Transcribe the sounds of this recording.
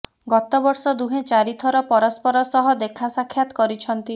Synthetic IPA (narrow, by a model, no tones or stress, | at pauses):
ɡɔt̪ɔbɔɾsɔd̪uɦẽt͡ʃaɾit̪ʰɔɾɔpɔɾɔspɔɾɔsɔɦɔd̪ekʰasakʰːjat̪ɔ̥kɔɾit͡ʃʰɔnt̪i